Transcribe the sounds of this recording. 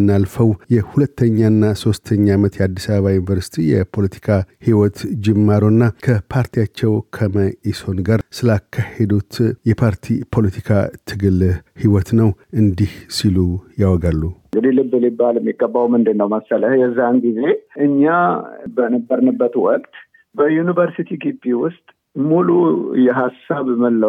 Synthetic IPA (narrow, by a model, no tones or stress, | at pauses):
ɨnːalfəwjɛhulət̪ʰːəɲːaɨnːaso̞st̪ʰəɲːamət̪jɛad̪ːisaβəβajunvəɾsi̥t̪ʰijɛpʰo̞lət̪ʰi̥kʰahiwɔt̪d͡ʒɪmːaɾonːakʰəpʰaɾt̪ʰijat͡ʃːɛwkʰəməʔiso̞nɡaɾsɨlakʰːahed̪ut̪jɛpʰaɾt̪ʰipʰo̞lət̪ʰi̥kʰat̪ʰɨɡɨlhiwɔt̪nəwʔɨnd̪ihsilujawɔɡalːuɨŋɡɨd̪ilɨbːɨlibːalmːiɡəbːawmɨnd̪ɨnːəwməsːələhjɛzːanɡize̞ʔɨɲːabənəbːəɾnəbːət̪wɔkʼt̪ | bəjunivəɾsit̪ʰiɡibiwʊst̪ʼ | mulujɛɦasːaβməlːə